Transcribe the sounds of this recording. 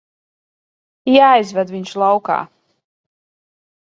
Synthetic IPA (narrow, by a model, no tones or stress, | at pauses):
jaːjzvɛd̪viɲʃlˠawka̰ː